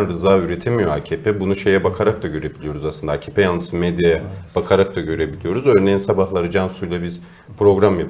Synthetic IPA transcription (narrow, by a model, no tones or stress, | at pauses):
nɾɯzaːyɾet̪ʰemijo̞aːcʰepʰɛbunuʃe̞jɛbakʰaɾak̚d̪aɟø̞ɾe̞bilʲijo̞ɾuzaslɯnd̪aːcʰeːpʰejalˠnɯsɯmed̪jajɛb̥akʰaɾak̚t̪aɟø̞ɾe̞bilʲijo̞ɾuzø̞ːɾnejinsabahlˠaɾɯd͡ʒansujlˠabiz̥ | pʰɾo̞ɡɾamjap